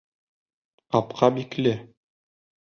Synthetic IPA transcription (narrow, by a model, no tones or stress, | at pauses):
ɑpqɑbiklɘ